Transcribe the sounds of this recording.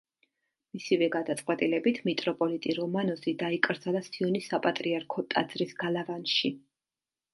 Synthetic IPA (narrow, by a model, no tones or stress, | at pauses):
misivɛɡad̪at̪sʼqʼwɛt̪ʼilɛbit̪ʰmit̪ʼɾɔpʼɔlit̪ʼiɾɔmanɔzid̪aikʼɾd̪zalˠasiɔnisapʼat̪ʼɾiaɾkʰɔt̪ʼad̪z̥ɾisɡalavanʃi